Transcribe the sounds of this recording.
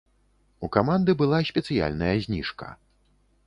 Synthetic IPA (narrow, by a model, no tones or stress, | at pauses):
ukamand̪ɨbɨlˠasʲpʲɛt̪sɨja̰lʲnɐjɐzʲnʲiʂkɐ̰